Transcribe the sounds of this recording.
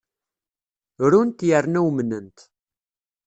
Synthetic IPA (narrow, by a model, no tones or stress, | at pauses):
ɾunt̪jərːnæwmnənt̪